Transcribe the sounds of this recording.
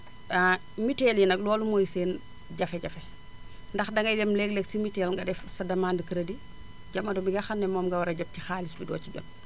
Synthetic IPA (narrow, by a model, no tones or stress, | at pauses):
a | mitɛːljinɐklɔːlumojseːn | ɟɐfɛɟɐfɛ | ndɐxdɐŋɡɐjdɛmlɛɡlɛksimitɛlŋɡɐdɛfsɐdɐmaːndəkiɾɐdi | ɟɐmːɐdɔmiɡɐxɐnːɛmɔːmŋɡɐwɐɾɐɟɐb̚cixaːlisbidɔ̰ːciɟɔ̰n